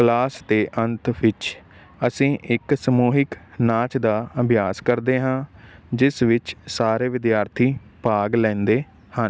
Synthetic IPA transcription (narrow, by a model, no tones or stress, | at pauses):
klaːst̪eːʔənt̪ʋɪt͡ʃ | əsĩːʔɪksəmuːɦɪknaːt͡ʃd̪aːəbʱjaːskəɾd̪eːɦãːd͡ʒɪsʋɪt͡ʃsaːɾeːʋɪd̪jaːɾt̪ʰiː | paːɡlɛ̃ːnd̪eː | hən